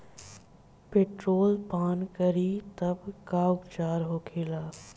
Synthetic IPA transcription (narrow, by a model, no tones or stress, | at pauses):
peːʈɾoːlpaːnkɐɾit̪ɐbkaːʊkt͡ʃaːɾɦoːkʰeːlaː